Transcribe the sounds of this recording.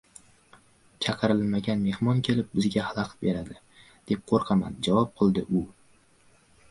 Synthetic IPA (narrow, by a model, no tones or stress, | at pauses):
t͡ʃʰɑqʰɨɾɪlmaɡʲanme̞hmɒnkʲʰe̞lɪp̚bɪzɡʲahalˠɑqbe̞ɾad̪ɪ | d̪̥e̞p̚qʰoɾqʰɑma̰nd͡ʒavɒp̚qʰɨlˠd̪ɪʔʊ